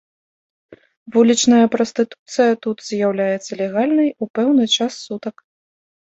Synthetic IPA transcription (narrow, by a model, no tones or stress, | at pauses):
vulʲit͡ʂnɐjɐpɾɔst̪ɨt̪u̥t̪sɨjɐt̪ut̪z̥ʲjawlʲajɛt̪sːɐlʲɛɣalʲnɨjupɛwnɨt͡ʂasːut̪ɐk